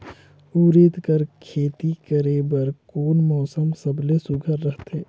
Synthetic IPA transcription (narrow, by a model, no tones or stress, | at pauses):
uːɾed̪kəɾkʰeːt̪ikəɾeːbəɾkoːnmɔːsəmsəblesʊɡʱəɾːəɦt̪eː